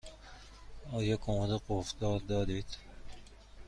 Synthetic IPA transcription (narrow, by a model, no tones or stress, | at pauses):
ɒːjɒːkʰomd̪eɡofd̪ɒːɾd̪ɒːd̪iːd̪̥